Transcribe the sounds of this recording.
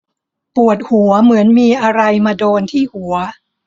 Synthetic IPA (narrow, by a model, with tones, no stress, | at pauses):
pu˨˩ət̪̚hu˩˦ɐmɯ˩˦ənmiː˧ʔa˧ɾa˧jmaː˧doː˧nt̪ʰiː˥˩hu˩˦ɐ